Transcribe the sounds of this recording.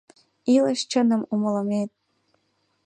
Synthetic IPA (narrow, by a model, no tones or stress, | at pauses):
iləʃt͡ɕənə̆muməlɤ̆met̪̚